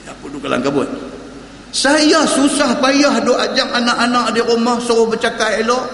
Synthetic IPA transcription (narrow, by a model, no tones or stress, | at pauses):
japudukala̰ŋkabʊt̪̚ | sajasusahpajahdoad͡ʒaŋanaʔanaʔdiɾumahsɔɣʊhbət͡ʃakaʔelɔʔ